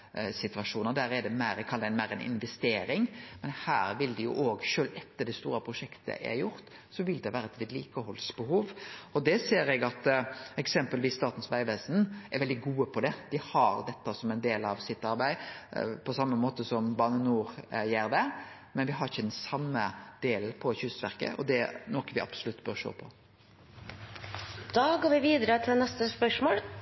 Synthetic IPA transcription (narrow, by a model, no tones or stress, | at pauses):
sɪt̪ʋɑʂuːnəd̪æɾɛd̪ɛmæɪɾɛkʰɑld̪ɛnmæɪɾɛnʔɪ̰nʋɛst̪eːɾɪŋmɛnhæːɾʋɪld̪ɪjʊ̰ʔoːɡʃøːlɛt̪ːəɖ̪ɛst̪ṵːɾəpʰɾʊʂɛkt̪ʰə̰ʔæ̰ɾjʊɾt̪ | sɔʋɪld̪ɛʋæːɾəɛt̪ʋɪd̪liːkəɦɔlsbəhuːʋɔd̪ɛseːɾɛɡɑt̪ɛksɛmpəlʋɪsːt̪ɑːt̪n̩sʋæɪʋeːsnɛɾʋɛld̪ɪɡuːəpʰɔd̪ɛd̪ɪhɑɾd̪ɛt̪ːəsɔmɛnd̪eːlɑʋsɪt̪ːɑɾbæɪpʰɔsɑmːəmoːt̪əsɔmbɑːnənuːɾjæːɾd̪ɛ | mɛnʋɪɦɑɾɪçəd̪ɛnsɑmːəd̪̥eːln̩pʰɔçʉst̪ʋæɾkə̰ʔɔ̰d̪ɛnɔkəʋɪʔɑ̰b̥sʊlʉt̪ːbœɾʂo̰ːpʰɔ | d̪̥ɑːɡoːɾʋɪʋiːd̪əɾət̪ʰɪlnɛst̪əspœʂmoːl